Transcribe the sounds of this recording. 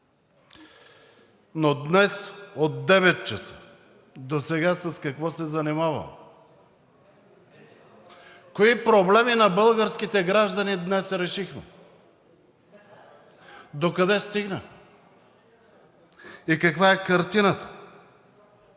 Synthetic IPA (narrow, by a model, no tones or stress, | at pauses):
nod̪nɛsot̪̚ːɛvɛt̪̚t͡ʃɐsə̥ | d̪osɛɡasɐskɐkvɔsɛzɐnimavɐ̰ | koipɾoblɛminɐbɤlˠɡəɾskit̪ɛɡɾaʒd̪ɐnid̪nɛsɾɛʃixmɛ̰ | d̪okɐd̪ɛst̪iɡnə | ikɐkvaɛkɐɾt̪inət̪ə̥